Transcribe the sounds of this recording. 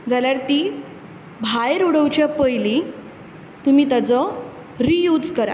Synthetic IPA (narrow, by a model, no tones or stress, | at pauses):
d͡zaljaɾt̪iː | bʱajɾuɽəwt͡ɕjapəjli | t̪umiːt̪at͡sɔ | ɾijud͡zkəɾa̰